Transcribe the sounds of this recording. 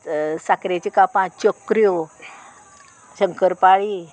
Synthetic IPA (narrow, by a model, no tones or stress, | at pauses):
sakɾat͡ɕikapãt͡ɕokɾijo | ɕəŋkəɾpaɭi